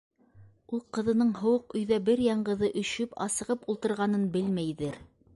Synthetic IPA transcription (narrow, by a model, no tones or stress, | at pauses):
ulˠqɤ̆ðɤ̆nɤɴɦŏwɤqɵ̆jðæbɘɾjɑɴɢɤ̆ðɤʔɵ̆ʃɵpɑ̰sɤ̆ʁɤpulˠt̪ɤ̆ɾʁɑnɤnbɘlmæjðɘɾ